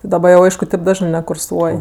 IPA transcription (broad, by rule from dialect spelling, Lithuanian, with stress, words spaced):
dɐˈbɐ jɛʊ ˈɐɪʃkʊ tɐɪp ˈdɑːʒnɜ nʲɛkʊrˈsuɔj